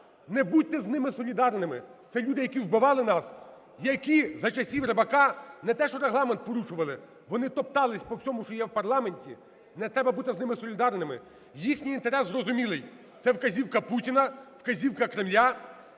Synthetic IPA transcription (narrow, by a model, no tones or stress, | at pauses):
nɛbut̚ʲt̪ɛznɪmɪsɔlʲid̪ɑrnɪmɪt̪sɛlʲud̪ɪjɐkʲiwbɪʋɑlˠɪnɑs | jɐkʲizɐt͡ʃɐsʲiʋɾebɐkɑnɛt̪ɛʃɔɾeɦlˠɑmɛnt̪̚pɔɾuʃʊʋɐlˠɪ | ʋɔnɪt̪ɔp̚t̪ɑlˠɪsʲpɔwsʲɔmʊʃt͡ʃɔjɛwpɐrlˠɑmenʲtʲi | nɛt̪ɾɛbɐbut̪ɪznɪmɪsɔlʲid̪ɑrnɪmɪ | jixnʲijint̪eɾɛszrɔzʊmʲilˠɪj | t̪sɛwkɐzʲiwkɐputʲinɐwkɐzʲiwkɐkɾɪmlʲa